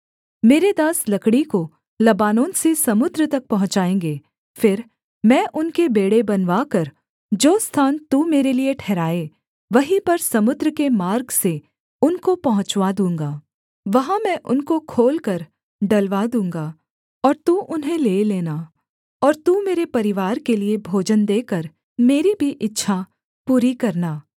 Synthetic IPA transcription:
meːɾed̪aːslɐkɽiko | lɐbaːnõːnsesɐmʊd̪ɾət̪ɐk̚pɐɦʊ̃t͡ʃaːẽːŋ̆ɡeː | fɪɾ | mɛ̃ːʔʊnkebeːɽebɐnʋaːkɐɾ | d͡ʒoːst̪ʰaːnt̪umeːɾelieʈʰɛːɾaːe | ʋɐɦĩpɐɾsɐmʊd̪ɾəkemaːɾɡse | ʊnkopɐɦʊ̃t͡ʃʋad̪ũːŋɡaː | ʋɐɦãmɛ̃ʔʊnkokʰoːlkɐɾ | ɖɐlʋad̪ũːŋɡa | ɔːɾt̪uʔʊnɦẽleːleːna | ɔːɾt̪umeːɾepɐɾɪʋaːɾkeliebʱoːd͡ʒənd̪eːkəɾ | meːɾibʱiʔɪtːʃʰa | puːɾikɐɾnaː

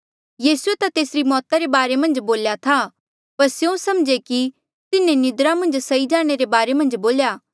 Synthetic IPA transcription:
jiːsuet̪at̪eːsɾimɔːt̪aɾebaːɾemɐ̃nd͡ʒboːljat̪ʰa | pɐɾsjõsɐmd͡ʒeki | t̪ɪnẽnɪd̪ɾamɐ̃nd͡ʒsɐid͡ʒaːɽ̃eɾebaːɾemɐ̃nd͡ʒboːljaː

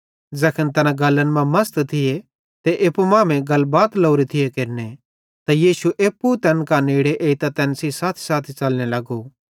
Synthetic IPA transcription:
d͡zɛːkʰənt̪ɛnãɡɐlːənmãmɐst̪t̪ʰɪje | t̪eʔeːpumãːmẽɡɐlbaːt̪loːɾit̪ʰɪjekeɾne | t̪ajiːsuʔeːpːut̪ɛːnkaneːɽeʔeːit̪at̪ɛːnsisaːt̪ʰi̥saːt̪ʰit͡ʃɐlnelɐɡo

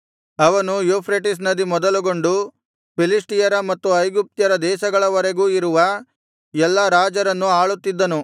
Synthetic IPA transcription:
ɐʋɐnujoːpʰɾeʈis̬nɐd̪imɔd̪ɐluɡo̞ɳɖu | pilisʈijɐɾɐmɐt̪ːuɐjɡup̚t̪jɐɾɐd̪ɛːʃɐɡɐɭɐʋɐɾeɡuːiɾuʋɐ | ɛlːɐɾaːd͡ʒɐɾɐnːuaːɭut̪ːid̪ːɐnu

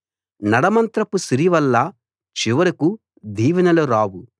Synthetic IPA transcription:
nɐɽɐmɐnt̪ɾɐpusiɾiʋɐlːɐ | t͡ʃiʋɐɾɐku | d̪iːʋɐnɐluɾaːwu

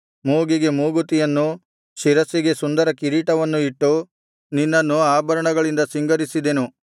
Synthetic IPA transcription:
moːɡiɡe̞muːɡut̪ijɐnːu | ʃiɾɐsiɡe̞sund̪ɐɾɐkiɾiːʈɐʋɐnːuiʈːu | ninːɐnːuaːbɐɾɐɳɐɡɐɭind̪ɐsiŋɡɐɾisid̪e̞nu

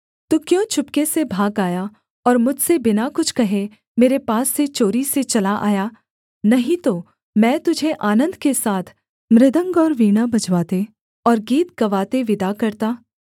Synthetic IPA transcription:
t̪ʊkjõt͡ʃʰʊpkesebʱaːɡaːja | ɔːɾmʊd͡ʒʱsebɪnakʊt͡ʃʰkɐɦẽ | meːɾepaːsːet͡ʃoːɾiset͡ʃɐlaʔa̰ːja | nɐɦĩt̪o | mɛ̃ːt̪ʊd͡ʒʱeʔaːnə̃nd̪kesaːt̪ʰ | mɾɪd̪ə̃ŋɡɔːɾʋiːɽ̃abɐd͡ʒʋaːt̪e | ɔːɾɡiːt̪ɡɐʋaːt̪eʋɪd̪akɐɾt̪aː

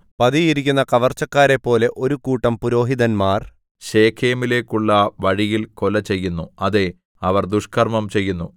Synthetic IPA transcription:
pɐðijiɾikʲːunːɐkɐʋɐrt͡ɕːɐkːaːɾe̞pːo̞ːle̞ʔo̞ɾukuːʈːɐmpuɾo̞ːɦiðɐnmaːr | ɕe̞ːkʰeːɐmile̞ːkːuɭːɐʋɐɻijilko̞lɐt͡ɕe̞jːunːuɐðe̞ | ɐʋɐrd̪uʂkʰɐrmɐmt͡ɕe̞jːunːu

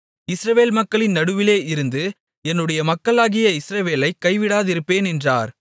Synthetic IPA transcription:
ɪsɾɐʋeːlmɐkːɐɭɪnːɐɽɯʋɪleːʔɪɾɯnd̪ɯ | ɛnːɯɽɐjɐmɐkːɐɭaːɣɪjɐɪsɾɐʋeːlɐɪkːɐɪʋɪɽaːðɪɾɯpːeːnɛndra̰ːɾ

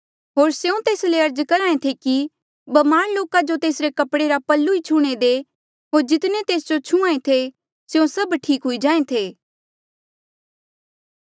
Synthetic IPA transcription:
ɦoːɾseũt̪eːsleɐɾd͡ʒkɐɾãːẽt̪ʰeki | bɐmaːɽloːkad͡ʒot̪eːsɾekɐpɽeɾapɐlːuit͡ʃʰuɽ̃ed̪e | ɦoːɾd͡ʒɪt̪net̪eːsd͡ʒot͡ʃʰũãːẽt̪ʰe | sjũsɐbʈʰiːkɦʊid͡ʒãːẽt̪ʰeː

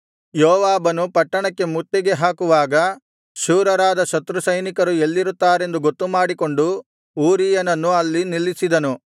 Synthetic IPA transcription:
joːʋaːbɐnupɐʈːɐɳɐkːe̞mut̪ːiɡe̞ɦaːkuʋaːɡɐ | ʃuːɾɐɾaːd̪ɐʃɐt̪ɾusɐjnikɐɾue̞lːiɾut̪ːaːɾe̞nd̪uɡo̞t̪ːumaːɽiko̞ɳɖu | uːɾijɐnɐnːuɐlːinilːisid̪ɐnu

